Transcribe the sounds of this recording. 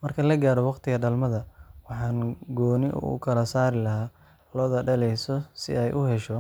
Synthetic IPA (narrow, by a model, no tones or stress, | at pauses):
mɐrkʰɐlɐɡaːɾɔwɑqt̪ʰɪɣɐɖɐlmɐðɐwɑħɑːnɡɔːnɪʔkʰɐlɐsaːɾɪlɐɦaː | lɔːðɐɖɐlɛjsɔsɪ̰ɛjʔʊɦɛʃɔ